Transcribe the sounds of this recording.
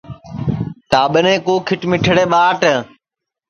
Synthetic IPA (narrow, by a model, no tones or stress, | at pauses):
t̪aːɓənẽːkuːkʰɪʈmɪʈʰəɽeːɓaːʈə